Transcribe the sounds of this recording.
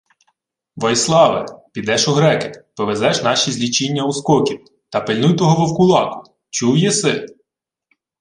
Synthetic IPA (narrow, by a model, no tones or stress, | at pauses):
ʋɔjslˠɑʋɛ̰pʲid̪ɛʃʊɦɾɛkɪ̥pɔʋezɛʃnɑʃʲizʲlʲit͡ʃinʲːɐuskɔkʲiw | t̪ɐpelʲnujt̪ɔɦɔʋɔwkʊlˠɑkʊ̥ | t͡ʃuwjɛsɪ